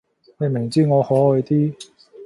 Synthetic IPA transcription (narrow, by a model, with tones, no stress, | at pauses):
ne˨˧jme˨˩ŋt͡siː˥˩ŋɔː˨˧hɔː˨˥ɔ˨˧jt̪iː˥